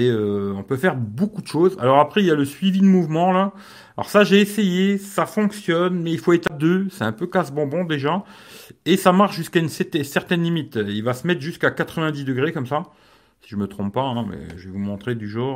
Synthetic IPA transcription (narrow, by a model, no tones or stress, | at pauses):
eøɔ̃pøfɛʁbokud̪əʃoza̰lɔʁapχɛiljaləsɥivid̪əmuvmɑ̃la | alɔ̰ʁsaʒeːsejesafɔ̃ksjɔnmɛilfoet̪ad̪øsɛɛ̃pøkazbɑ̃bɔ̃d̪eʒa | esamaʁʃʒyskaynsɛt̪ɛsɛʁt̪ɛnlimit̪ilvasəmɛt̪χʒyskakat̪χəvɛ̃d̪izd̪əɡʁekɔmsa | si̥ʒəmət̪χɔ̃ppaɛ̃mɛ̰ʒəvɛvumɔ̃t̪χed̪yʒɔʁ